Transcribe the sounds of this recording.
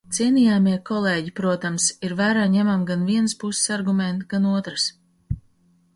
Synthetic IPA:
t̪siɛnijaːmiɛkɔlˠeːɟipɾuɔt̪amsiɾvæːɾaːɲɛmamɡanviɛnspusɪ̥saɾɡumɛnt̪ɡanuɔt̪ɾɨs

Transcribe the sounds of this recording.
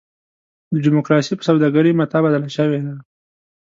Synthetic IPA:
d̪əɖɪmokɾɑsipə̥sawd̪ɑɡaɾimat̪abad̪alaʃəwed̪a

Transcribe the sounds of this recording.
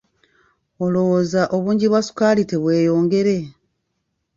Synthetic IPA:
o̞lo̞wozaʔo̞βuːɲɟiβwasu̥kalite̞βwe̞ːjo̞ːŋɡe̞ɾe̞

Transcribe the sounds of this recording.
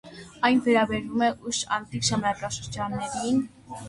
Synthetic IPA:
ɑjnvɛɾɑbɛɾumɛʔuʃɑ̰nt̪ikʒɑmnɑkɑʃəɾd͡ʒɑnːɛɾin

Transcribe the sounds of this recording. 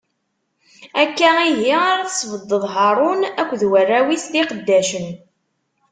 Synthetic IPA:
ækːæiɦiaɾaθsˤvəd̪ˤːəðˤɦɑɾˤʊnækʷːðwərːæwisðiqəd̪ːæʃən

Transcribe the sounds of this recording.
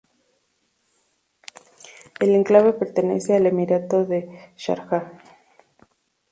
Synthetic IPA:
eleŋklaβe̞pe̞ɾt̪e̞nḛseale̞miɾat̪o̞ðeʃa̰ɾxa

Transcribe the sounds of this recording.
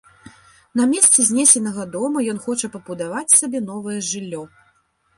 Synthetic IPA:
nɐmʲɛst̪sɛzʲnʲɛsʲɛnɐɣɐd̪ɔmɐjɔnxɔt͡ʂɐpɐbud̪avat͡sʲsʲabʲɛn̪ɔvɐjɛʐɨlʲːɔ

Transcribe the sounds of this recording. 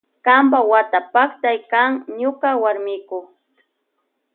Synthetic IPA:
kambawat̪apakt̪ajkaŋɲʊkawaɾmɪkʊ

